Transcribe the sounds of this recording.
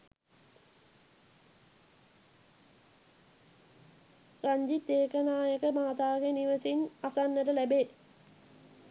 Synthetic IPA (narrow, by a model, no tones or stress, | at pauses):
raɲd͡ʒit̪eːkənaːjəkəmaːt̪aːɡeniʋəsinasanːəʈəlæbe